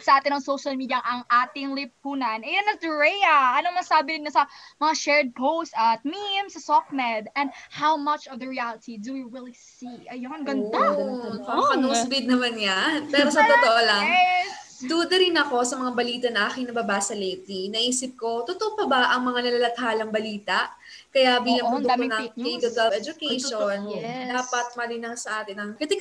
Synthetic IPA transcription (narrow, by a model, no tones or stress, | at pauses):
sɐʔaːt̪ɪnɐŋsowʃɐlˠmiːd̪jɐʔɐŋʔaːt̪ɪŋlɪp̚hunɐnɛjɐnɐt̪ɛɹɛjɐʔɐnoŋmɐsaːbɪnɪnɲɐsɐmɐŋaʃɛɹd̪̚pʰowst̪ɐt̪̚mimsɐsɔk̚mɛd̪ɛ̃nd̪hawmɐt͡ʃɔvd̪ɐɹialɪt̪ʰid̪uwiɹilˠisiʔɐjonɡɐnaɐpɐnusbɪd̪̚nɐmanjanppɛːɾosɐt̪ot̪oʔolɐŋ | d̪uːd̪ɐɾɪnɐko̞sɐmɐŋabɐliːt̪ɐnɐʔaːkɪŋnɐbɐbaːsɐlejt̪inɐʔiːsɪp̚ko̞t̪ʊt̪oʔopɐbɐʔɐŋmɐŋanɐlɐlɐt̪̚haːlɐŋbɐliːt̪ɐʔ | kɐjabiːlɐŋmɐʊknɐŋit̪ʊd̪ɐlɛd͡ʒʊkɛjʃonnd̪aːpɐt̪̚mɐlɪjnaŋsɐʔaːt̪ɪnɐŋkɐd̪ɪ